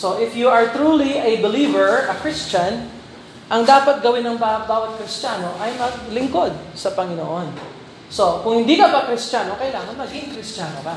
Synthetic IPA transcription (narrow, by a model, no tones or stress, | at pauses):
so̞ʔɪfjuɐɹt̪ɾuːliʔɐbɪliːvɛɹɐkɹɪst͡ʃɐn | ʔɐŋd̪aːpɐt̪̚ɡɐwɪnːɐŋbabaːwɐt̪̚kɾɪst̪aːno̞ʔɐjmɐɡ̚lɪŋko̞d̪̚sɐpɐŋɪnoʔon | so̞kʊŋhɪnd̪iːkɐbakɾɪst̪jaːno̞kɐjlaːŋɐnmɐɡɪɪŋkɾɪstaːno̰ka